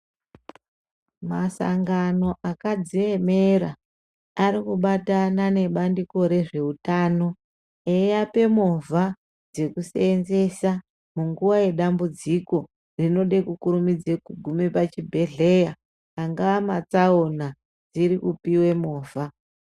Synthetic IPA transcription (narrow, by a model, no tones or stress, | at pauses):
masa̰ŋɡano̞ʔakad͡zie̞me̞ɾa | aɾikuɓatanane̞ɓandiko̞ɾe̞ʐe̞utaːno̞ | ejape̞movʱa | d͡ze̞kusenze̞sa | muŋɡuʋaje̞ɗambud͡ziko̞ | rino̞ɗe̞kukuɾumid͡zekuɡʱumepat͡ʃibʱe̞ɮe̞jaː | ŋɡaamat͡saona | d͡ziɾikupiwe̞moːvʱa